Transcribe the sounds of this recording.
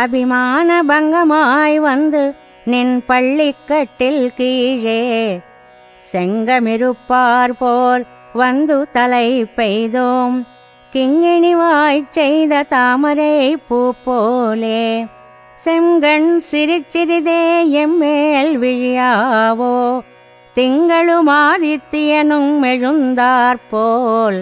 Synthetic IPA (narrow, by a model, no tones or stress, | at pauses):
ɐbɪmaːnɐbɐŋɡɐmaːjʋɐnd̪ɯ | nɪnpɐɭːɪkːɐʈːɪlkiːɻeː | sɛŋɡɐmɪɾɯpːaːɾpoːɾ | ʋɐnd̪ɯt̪ɐlɐɪpːɛjðoːm | kɪŋɡɪɳɪʋaːjt͡ʃːɛjðɐt̪aːmɐɾɐɪpːuːpːoːleː | sɛŋɡɐɳsɪɾɪt͡ʃːɪɾɪðeːɛmːeːlʋɪɻɪjaːʋoː | t̪ɪŋɡɐɭɯmaːðɪt̪ːɪjɐnɯmːɛɻɯnd̪aːɾpoːl